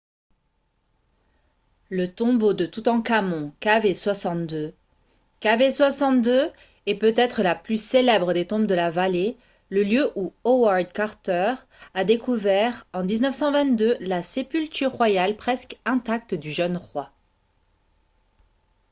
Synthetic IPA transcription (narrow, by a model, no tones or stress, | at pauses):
lət̪ɔ̃bod̪ət̪ut̪ɑ̃kamɔ̃kaveswasɑ̃t̪̚d̪ø | kaveswasɑ̃t̪̚d̪ø | ɛpøt̪ɛt̪χəlaplyselɛbʁəd̪et̪ɔ̃bd̪əlavale | ləljøʔuowaʁd̪kaʁt̪œʁ | ad̪ekuvɛʁɑ̃d̪iznəfsɑ̃vɛ̃t̪d̪ølasepylt̪yʁːwajalpχɛskɛ̃t̪ak̚t̪d̪yʒœnʁwa